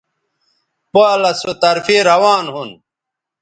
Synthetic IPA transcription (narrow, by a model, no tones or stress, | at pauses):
paːlɐsot̪ɐɾfeːɾɐwaːnɦun